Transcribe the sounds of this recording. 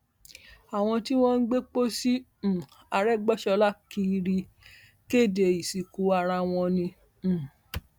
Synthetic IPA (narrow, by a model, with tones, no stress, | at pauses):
a˨w̃ɔ̃˧ti˦w̃ɔ̃˦n̩˦ɡ͡be˦k͡po˦sĩ˦˨ | a˨˧ɾɛ˦ɡ͡bɔ˦ʃɔ˧la˦˨ki˧˦ɾi˧ | ke˦˨de˨i˨si˨ku˨˦a˧ɾa˧w̃ɔ̃˧nĩ˧˨